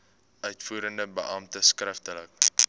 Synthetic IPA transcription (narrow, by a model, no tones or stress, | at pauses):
œɥtfuːɾəndəbəʔɐmtəskrəftələk